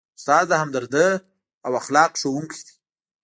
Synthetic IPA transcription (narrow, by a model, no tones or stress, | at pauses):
ʊst̪ɑzahamd̪əɾd̪ə | awaxlɑqʃowuŋkʰi̥d̪̥i̥